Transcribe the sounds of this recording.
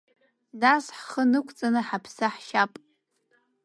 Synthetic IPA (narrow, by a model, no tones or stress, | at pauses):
dasħχənɨkʷʰt͡sʼanɨħapʰsaħʃapʼ